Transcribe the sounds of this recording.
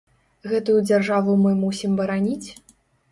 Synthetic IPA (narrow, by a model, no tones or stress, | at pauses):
ɣɛt̪ujud͡zʲarʐavumɨmusʲimbɐɾanʲit͡sʲ